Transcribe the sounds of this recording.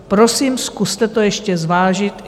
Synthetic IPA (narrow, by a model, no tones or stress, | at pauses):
pɾo̞siːmskust̪ɛt̪o̞jɛʃcɛzvaːʒɪt̪